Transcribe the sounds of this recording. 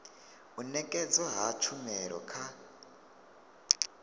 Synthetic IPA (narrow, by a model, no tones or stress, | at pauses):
unɛkʼɛd͡zɔɦat͡ʃʰumɛɺɔ̰kʰa